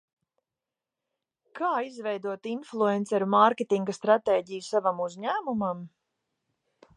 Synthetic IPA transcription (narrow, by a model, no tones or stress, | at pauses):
kaːizvɛjd̪uɔt̪inflˠuɛnt̪sɛɾumaɾkʲet̪iŋɡst̪ɾat̪eːɟijusavamuzʲɲæːmumam